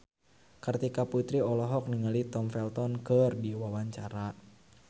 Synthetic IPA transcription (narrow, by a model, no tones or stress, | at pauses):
kərt̪ikaput̪ɾiɔlɔɦɔk̚niŋalit̪ɔmfɛlt̪ɔnkərdiwawaɲt͡ʃaɾa